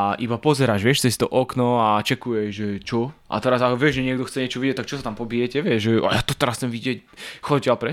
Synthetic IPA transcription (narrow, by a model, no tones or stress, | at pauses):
aʔibapɔzɛɾaːʒʋɪɛʃt͡sɛst̪ɔʔɔknɔat͡ʃɛkujɛʒʒɛt͡ʃɔʔa̰t̪ɛɾazakʋɪɛʒʒɛɲɪɛɡd̪ɔxt͡sɛɲɪɛt͡ʃɔʋiɟɛt̪ak̚t͡ʃɔsat̪ampɔbijɛcɛʋɪɛʒʒɛa̰jat̪ɔt̪ɛɾast͡sɛmʋiɟɪɛcxɔɟalpɾɛ